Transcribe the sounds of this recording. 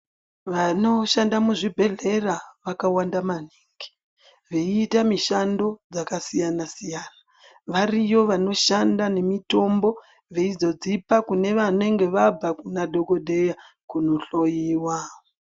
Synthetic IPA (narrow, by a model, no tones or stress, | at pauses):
ʋano̞ʃandamuʐibʱe̞ɮe̞raʋakawandamaniːŋɡi̥ | ʋeːtamiʃando̞d͡zakasijanasijaːna | ʋarijo̞ʋano̞ʃandane̞mito̞mbo̞ | ʋeid͡zo̞d͡zipakune̞ʋane̞ŋɡe̞ʋab͡vakunadʱo̞ko̞dʱe̞ja | kuno̞ɬo̞jiːwa